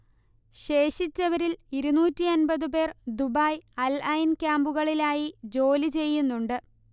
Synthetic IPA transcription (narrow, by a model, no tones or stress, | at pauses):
ɕe̞ːɕit͡ɕːɐʋɐɾiliɾunuːtʲːiɐnbɐðɨpe̞ːrd̪ubaːjɐlɐjnkʲaːmbuɣɐɭilaːjid͡ʑo̞ːlit͡ɕe̞jːunːuɳɖɨ